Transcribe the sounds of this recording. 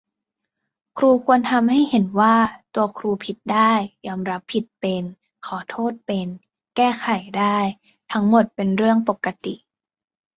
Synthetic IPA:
kʰɾuː˧kʰu˧ənt̪ʰa˧mɦa˥˩jhe˩˦nwaː˥˩t̪u˧ɐkʰɾuː˧pʰi˦t̪̚daː˥˩jːɔː˧mɾa˦˥pʰːi˨˩t̪̚pe˧n | kʰɔː˩˦t̪ʰoː˥˩t̪̚pe˧n | kɛː˥˩xʰa˨˩jdaː˥˩j | t̪ʰa˦˥ŋmo˨˩t̪̚pe˧nɾɯ˥˩əŋpo˨˩kːa˧t̪i˨˩ʔ

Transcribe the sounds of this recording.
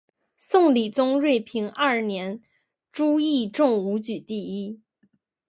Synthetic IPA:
sʊ˥˩ŋli˨˩t͡sʊ˥ŋɻwe˥˩ɪpʰi˧˥ŋɐ˞˥˩njɛ˧˥n | ʈ͡ʂu˥i˥˧ʈ͡ʂʊ˥˩ŋu˧˥t͡ɕy˨˩t̪i˥˩i˥

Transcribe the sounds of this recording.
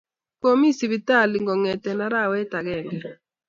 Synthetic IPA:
ko˦mi˦si˨bi˨ta˦˨li˨ŋɡɔ˨ŋɛ˨tɛ˨na˨ɾa˦˨wɛ˦ta˨ɡɛ˦˨ŋɡɛ˨

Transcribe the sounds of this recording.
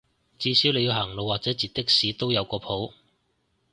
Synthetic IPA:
t͡siː˨˧siː˨˥wle˨˧jiː˨˧wɦɐː˨˩ŋlo˨wːaː˨k̚t͡sɛː˨˥t͡siː˨˩t̪̚ɪ˥k̚siː˨˥t̪o˥wjɐ˨˧wkɔː˧pʰo˨˥w

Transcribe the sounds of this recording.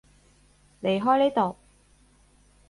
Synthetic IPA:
le˨˩jɦɔː˥jne˨˥jt̪o˨˩w

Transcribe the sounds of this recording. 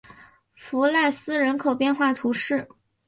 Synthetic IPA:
fu˧˥la˥˩ɪsɹ̩˥ɻə˧˥nkʰo˨˩ʊpjɛ˥˧nxwa˥˩t̪ʰu˧˥ʂɻ̩˥˩

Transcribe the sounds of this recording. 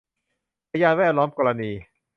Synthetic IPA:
pʰa˧jaː˧nwɛː˥˩t̪̚lɔː˦˥mkɔː˧ɾa˧niː˧

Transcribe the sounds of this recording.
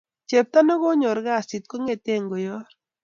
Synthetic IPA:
t͡ʃe˨p̚t̪a˦nɔ˦ɡɔ˦ɲɔ˨ɾɡa˦˨si˨t̪̚ko˦ŋe˦˨t̪e˦˨ŋɡo˨jɔ˦r

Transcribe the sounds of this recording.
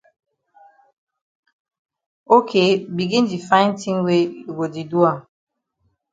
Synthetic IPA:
o˦kʰe˦bi˨ɡi˦n˦di˨fã˦ɪ˦n˦ti˦ŋwe˦˨ɡo˨di˨du˦a˦˨

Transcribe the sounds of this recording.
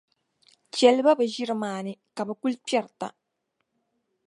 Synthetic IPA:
t͡ʃɛ˨lba˦bɐ˨ʒi˦ɾmaː˨nɪ˦ka˨bɐ˨ku˦lpjɛ˦ɾta̰˨

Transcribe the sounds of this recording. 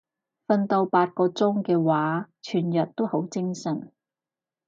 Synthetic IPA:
fɐ˧nt̪o˧wpaː˧t̚kɔː˧t͡sʊ˥ŋkɛː˧waː˨˥t͡ʃʰyː˨˩njɐ˨˩t̚t̪o˥who˨˥wt͡sɪ˥ŋsɐ˨˩n

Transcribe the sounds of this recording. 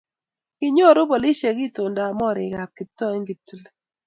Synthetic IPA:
kɪ˦ɲo˦˨ɾo˦bo˨li˦ʃe˨ɡi˦˨tʊ˨nda˨mɔ˦˨ɾɪ˨ɡa˨p̚ki˨tɔ˦e˦ŋɡi˨tːu˦le˦

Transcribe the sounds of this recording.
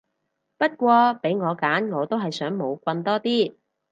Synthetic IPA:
pɐ˥t̚kʷɔː˧pe˨˥jŋɔː˨˧kaː˨˥nŋɔː˨˧t̪o˥wɦɐ˨jsœː˨˥ŋmo˨˧wkʷɐ˧nt̪ɔː˥t̪iː˥

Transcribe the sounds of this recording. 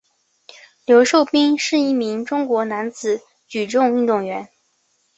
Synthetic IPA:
ljo˧˥ʊʂo˥˩ʊpi˥ŋʂɻ̩˥˧i˥˩mi˧˥ŋʈ͡ʂʊ˥ŋkwɔ˧˥na˧˥nt͡sɹ̩˨˩˦ | t͡ɕy˨˩ʈ͡ʂʊ˥˧ŋy˥˧nt̪ʊ˥˩ŋɥɛ˧˥n

